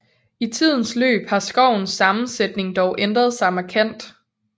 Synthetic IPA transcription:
it͡sʰið̞̰ˠn̩slø̰ːb̥hɑ̈sɡ̥ɒʊ̰n̩sɑ̈mn̩sed̥ne̝ŋd̥ɒʊʔend̥ʁɐð̞ˠsɑ̈ɪmækʰen̰d̥

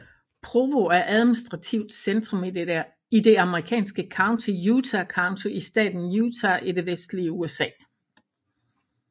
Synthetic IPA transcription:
pʰʁoʋo̝æɐʔæð̞ˠminisd̥ʁɑ̈t͡sʰiʊd̥send̥ʁɔ̽m | id̥e̝ɑ̈məʁikʰɛ̰ːnsɡ̥əkʰɑ̈ʊnt͡sʰijuːt͡sʰækʰɑ̈ʊnt͡sʰo̝isd̥ɛ̰ːd̥n̩juːt͡sʰæʔiɾ̥e̝ʋesd̥liəuesɛ̰ː

